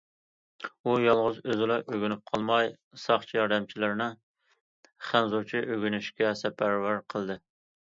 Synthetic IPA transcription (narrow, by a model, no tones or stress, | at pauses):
ujɑlˠʁʊzøzɪlɑʔøɡʲynyp̚qʰɑlˠmɑj | sɑχt͡ʃʰijɑɾd̪ɛmt͡ʃʰilɪɾnɨ | χænzut͡ʃʰiʔøɡʲynyʃkʲɛsɛpʰæɾvæɾqʰəlˠd̪ɨ